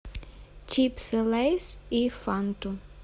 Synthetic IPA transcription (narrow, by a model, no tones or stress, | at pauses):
t͡ʃipsɛlejsifant̪u